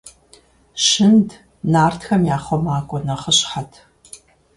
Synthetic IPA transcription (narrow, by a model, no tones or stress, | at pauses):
ʃɨnd | naːrtʰxɐmjaːχʷɔmaːkʷʼɔnɐχəɕħatʰ